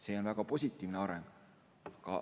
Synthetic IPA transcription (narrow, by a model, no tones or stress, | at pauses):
se̞ːo̞nvæɡ̥ɑpo̞s̬ʲit̪ːˑiːvneɑɾeŋɡ̥ | ɑkɑ̰